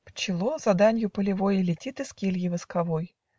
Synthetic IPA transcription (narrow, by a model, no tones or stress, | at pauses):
pt͡ɕɪlˠozɐd̪anʲjʊpəlʲɪvojɪlʲɪtʲit̪ɨskʲilʲjɪvɨskɐvoj